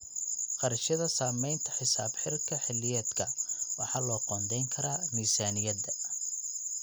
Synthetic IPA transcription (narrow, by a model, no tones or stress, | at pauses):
qɑrʃɐðɐsaːmɛjnt̪ʰɐħɪsaːbħɪɾt̪̚kʰɐħɪlːɪjɛːd̪kʰɐwɑħɑːlɔːqɔːnd̪ɛjŋkʰɐɾaːniːsaːnɪjɐd̪ɐ